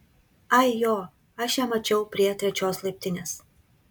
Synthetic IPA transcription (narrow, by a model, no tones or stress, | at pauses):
ɐɪjoː | ɐʃjæːmɐt͡ʃʲɛʊpʲɾʲiɛt̪ʲɾʲɛt͡ʃʲoːslˠɐɪpʲt̪ʲɪnʲeːs